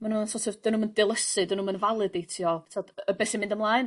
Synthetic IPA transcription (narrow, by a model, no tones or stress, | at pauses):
manuːnsɔtʰəvdɪnuməndɪlˠəsɨdɪnumənvalˠɨdejtʰjɔtʰaɔdəbɛsimɪ̃ndəmlˠaːɨn